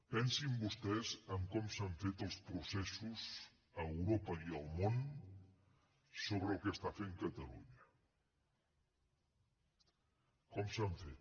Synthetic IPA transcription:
pɛnsimbust̪ɛzəmkɔmsaɱfet̪əlˠspɾusɛsuz | əəwɾopəiəlˠmon | soβ̞ɾəlˠkəst̪afeŋkət̪əlṵɲə | kɔmsaɱfet̪

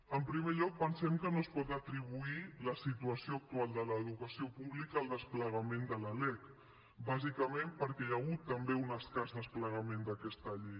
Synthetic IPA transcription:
əmpɾimeʎɔk̚pənsɛmkənoəspɔt̪ət̪ɾiβuiləsit̪uəsioək̚t̪ualˠd̪ələːðukəsiopuβlikəːlˠd̪əspləɣəmend̪ələlɛk | bazikəmempəɾkɛjaɣut̪ːəmbeunəskazd̪əspləɣ̞əmend̪əkɛst̪əʎɛj

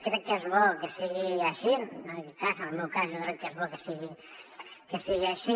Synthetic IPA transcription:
kɾɛkːezβɔkesiɣiaʃinəkɛt̪̚kasənəlˠmewkasjokɾɛkːezβɔkesiɣi | kesiɣiaʃi

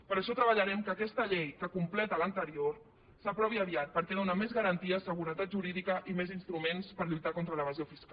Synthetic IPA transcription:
pəɾəʃɔt̪ɾəβəʎəɾɛmkəːkɛst̪əʎejkəkumplɛt̪ələnt̪əɾioɾ | səpɾɔβiəβiat̪̚pəɾkɛðonəmezɣəɾənt̪iəsəɣ̞uɾət̪at̪̚ʒuɾiðikəʔimezinst̪ɾumenspəɾʎujt̪akɔnt̪ɾələβəziofisk

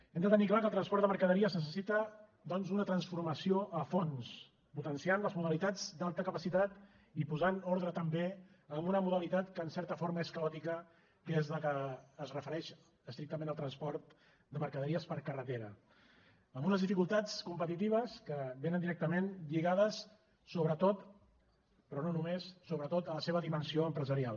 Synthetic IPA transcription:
ɛmd̪ət̪əniklakəlˠt̪ɾənspɔɾt̪əməɾkəðəɾiəznəs̬əsit̪ə | d̪ɔnzunət̪ɾənsfuɾməsioʔəfons | put̪ənsianləzmuðəlit̪ad͡zd̪alˠt̪əkəpəsit̪at̪ | ipuzanɔɾðɾət̪əmbe | əmbunəmuðəlit̪at̪kəːnsɛɾt̪əfoɾməeskəɔt̪ikə | kezðəkəːzrəfəɾɛʃ | əst̪ɾik̚t̪əmẽnəlˠt̪ɾənspɔɾt̪ | d̪əməɾkəðəɾiəspəɾkərət̪eɾə | əmbunəzðifikulˠt̪at͡skumpət̪it̪iβ̞əskəβenənd̪iɾɛk̚t̪əmenʎiɣaðəsː | oβɾət̪ot̪ | pɾɔnonumesːoβɾət̪ot̪ələseβ̞əðimənsioəmpɾəzəɾialˠ

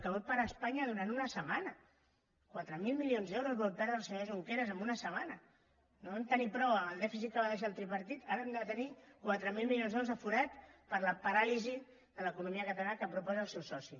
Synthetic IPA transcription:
kəβot̪̚paɾaːspaɲəðuɾant̪unəsəmanə | kwat̪ɾəmilˠmilionzðɛwɾuzβolt̪aɾðəlˠsəɲozuŋkeɾəzəmbunəsəmanə | noant̪ənipɾɔwəəlˠd̪ɛfisit̪̚kəβaðeʃ̬alˠt̪ɾipəɾt̪it̪aɾənd̪at̪ənikwat̪ɾəmilˠmilionzðewɾuzəfuɾat̪pəɾləpaɾalizi | ðələkunumiəkət̪alanəkəpɾupɔzəːlˠsɛwsɔsi

